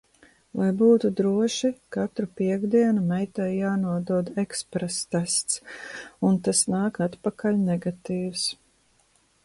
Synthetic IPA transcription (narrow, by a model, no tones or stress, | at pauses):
lajbuːt̪ud̪ɾuɔʃikat̪ɾupiɛɡd̪iɛnumɛjt̪ɛjjaːnuɔd̪uɔd̪ɛkspɾɛst̪ɛst̪sunt̪asnaːkat̪pakaʎʲnɛɡat̪iːws